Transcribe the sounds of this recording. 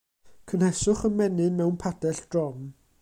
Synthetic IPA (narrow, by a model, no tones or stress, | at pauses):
kʰənhɛsʊχənmɛnɨmɛwnpʰad̥ɛɬd̥rɔm